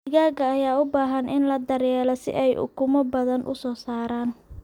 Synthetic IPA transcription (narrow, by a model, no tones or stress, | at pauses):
ɪɣaːɡɐːjaːʊbaːɦɐnʔɪnlɐd̪ɐɾjɛːlɔsɪ̰ʔɛjʔʊ̰kʰʊmɔbɐðɐnʔʊ̰sɔːsaːɾaːn